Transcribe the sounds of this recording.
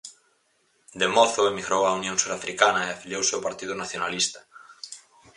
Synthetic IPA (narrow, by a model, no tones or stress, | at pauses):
d̪emɔθoemiɣɾowaunjõnsuðafɾikanaeafiʎowsewpaɾt̪iðunaθjonalist̪ḁ